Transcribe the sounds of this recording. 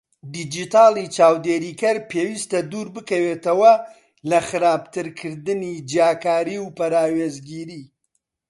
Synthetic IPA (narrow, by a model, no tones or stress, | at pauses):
d̪id͡ʒit̪ʰaːlˠit͡ʃaːwd̪eːɾikɐɾpʰeːwiːst̪ɐd̪uːɾbɨkɐwet̪ɐwɐ | lɐxɨɾaːb̚t̪ʰɨɾkʰɨɾd̪ɨnid͡ʒjaːkaːɾiwpɐɾaːweːzɡiːɾiː